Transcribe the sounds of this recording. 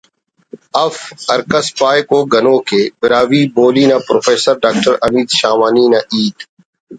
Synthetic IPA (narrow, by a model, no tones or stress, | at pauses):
əfəɾkəspaːjkoːɡʱənõːkʰeːbɪɾaːʋiːboːliːnãːpɾoːfeːsəɾɖaːk̚ʈəɾəmiːd̪ʃaːmaːniːnaːʔiːt̪